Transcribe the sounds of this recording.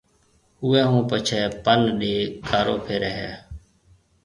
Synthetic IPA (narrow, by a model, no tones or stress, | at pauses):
ʊːɛ̃ːɦũːpət͡ʃʰɛːpənɗeːkʰaːɾoːpʰeːɾɛɦɛ̰ː